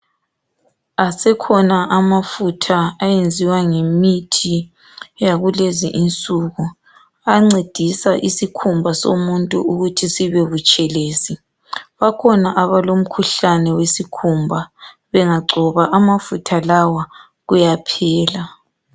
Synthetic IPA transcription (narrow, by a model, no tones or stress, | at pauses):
asɛkʰɔnaʔamafutʰaːjend͡zʱiwaŋemitʰi | jaɣulezḭʔint͡sʼuːɣu | aŋ͡ǀed̥ʱisaʔisikʰumbʱaso̰muntʼṵuɣutʰisiβɛβut͡ʃʼɛleːsi | βakʰɔnaʔaβalom̩kʰuɬanɛwesikʰumbʱa | βɛŋaɡ͡ǀʱɔβaʔamafutʰalawa | ɣujapʰɛːla